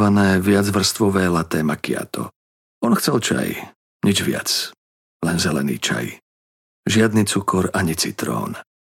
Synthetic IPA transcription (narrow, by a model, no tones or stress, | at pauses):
ʋanɛːʋɪad͡zʋr̩st̪ʋɔʋɛːlat̪ɛːmakia̰t̪ʰɔ̰ | ɔnxt͡sɛlt͡ʃa̰j | ɲid͡ʒʋɪa̰t͡s | lɛnzɛlɛ̰nḭːt͡ʃa̰j | ʒɪad̪nit͡sukɔɾaɲit͡sit̪ɾɔ̰ːn